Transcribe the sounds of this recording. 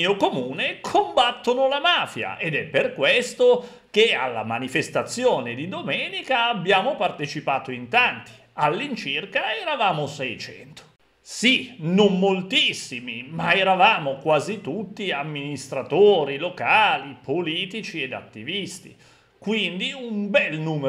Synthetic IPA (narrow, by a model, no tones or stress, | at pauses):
iokomuːnekʰombat̪ːonolamaːfja̰ʔed̪ɛpːerkwest̪o | k̟ea̰lːa̰manifest̪at̪sːjoːned̪id̪omɛːnikaːbːjaːmopart̪et͡ʃipaːt̪oint̪ant̪i̥ | alːint͡ʃirkaɛɾavaːmosɛjt͡ʃɛ̰nt̪o̥ | sinomːolt̪isːimimaɛɾavaːmokwaːzit̪ut̪ːiamːinist̪ɾat̪oːɾilokaːlipoliːt̪it͡ʃied̪a̰t̪ːivist̪ḭ | kwind̪iumbɛlnuːm